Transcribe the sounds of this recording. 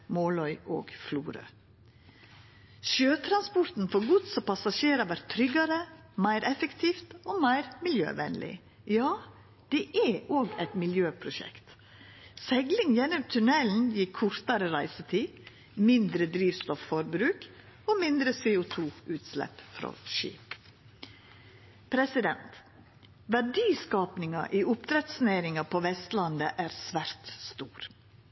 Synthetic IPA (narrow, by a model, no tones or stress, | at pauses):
moːlɔʏʔo̰ːɡfluːɾə̰ | ʃøːt̪ʰɾɑnspɔɾt̪n̩fɔɾɡʊt̪sɔpʰɑsɑʃeːɾɑʋæɾt̪ʰːɾʏɡɑɾə | mæɪɾʔɛfəkt̪ʰiːft̪oːmæɪɾmɪljø̰ːʋɛ̰nlɪ̰ | jɑː | d̪̥ɛʔæʔoːɡæɪt̪mɪljøːpʰɾʊʃɛ̰kt̪ | sɛɡlɪŋjɛnɔmt̪ʰʉnɛln̩jikʰːʊɾt̪ɑɾəɾæɪsət̪ʰiː | mɪnd̪ɾəd̪ɾiːʋst̪ɔfːɔɾbɾʉːk | omɪnd̪ɾəseːʊt̪ʰuːʉːt̪slɛ̰pfɾo̰ʃḭːp | pʰɾɛsɪd̪ɛnt̪ | ʋæɖiːskɑːpnɪŋɑ̰ʔiːʔʊpt̪ʰɾɛt̪sneːɾɪŋɑpʰoʋɛst̪lɑnd̪əʔæːɾsʋæɾt̪st̪uːɾ